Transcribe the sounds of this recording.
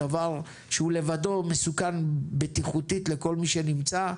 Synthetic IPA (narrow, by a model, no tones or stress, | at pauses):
avaʁ | ʃeule̞vado̞mesukanbet̪iχut̪it̪le̞ko̞lmiʃe̞nimt͡sa